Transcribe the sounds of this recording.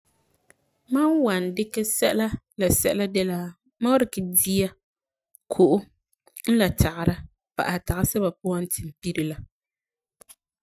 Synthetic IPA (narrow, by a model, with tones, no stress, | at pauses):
ma˦nwa˨ndɪ˦kɛ˦sɛ˦ʔla˦ | la˨sɛ˦ʔla˦dɛ˦la˦ | ma˦ɾɪ˨kɪ˨di˦a˦ | kʰʊ˨ʔʊ˦ | n̩˦la˨tʰa˨ʔɪ˨ɾa˦ | pa̰˨ʔa˨ta˨ʔa˦sɛ˦ba˨pʊ˦a˦n̩˦tʰɪ˨m˨pi˦ɾi˨la˦